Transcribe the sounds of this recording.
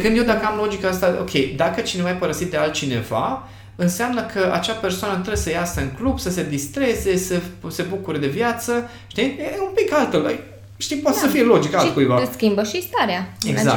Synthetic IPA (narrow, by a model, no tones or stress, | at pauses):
kɨnd̪jewd̪akəamlo̞d͡ʒikaast̪ao̞̰kʲʰe̞jd̪akət͡ʃinevajapəɾəsit̪̚d̪ealt̪̚t͡ʃine̞̰va̰ | ɨnseamnəkʰəʔa̰t͡ʃape̞rsoanət̪ɾebsəjasəɨŋklub̥səse̞d̪ist̪ɾe̞ze̞səse̞bukuɾəd̪e̞vjat̪sə | ʃt̪ieumpikalt̪ələ̰j | ʃt̪ipat̪esəfije̞lo̞d͡ʒikalt̪kujvaskʲimbəʃist̪aɾeaḛɡza̰k